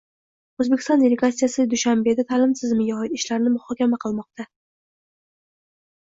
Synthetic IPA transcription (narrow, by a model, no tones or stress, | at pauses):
ɵzbekʲɪ̥st̪ɒnd̪ʲelʲeɡat̪sːijasɪd̪ʊʃambe̞d̪at̪ʰalɪmt̪ʰɪzmɪɡʲaɒɪt̪ɪʃlaɾnɪmʊhɒkʲamaqʰɨlˠmɒq̚t̪ʰa